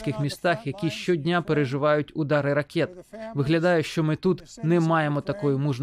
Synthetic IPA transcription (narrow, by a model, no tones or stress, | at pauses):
kɪxmʲist̪ɑxjɐkʲiʃt͡ʃɔdʲnʲapeɾeʒɪʋɑjʊtʲʊd̪ɑɾɪɾɐkʲɛt̪ʋɪɦlʲɐd̪ɑjʊʃt͡ʃɔmɪt̪ut̪nɛmɑjemɔt̪ɐkɔjʊmuʒn